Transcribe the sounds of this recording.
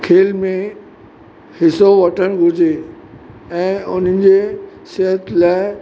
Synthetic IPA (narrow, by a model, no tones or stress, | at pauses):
kʰeːlmẽ | hɪsoʋɐʈʰəɽ̃ɡʱʊd͡ʑe | ɛ̃ːʊn̤əɪ̆d͡ʑe | seɦət̪laːɪ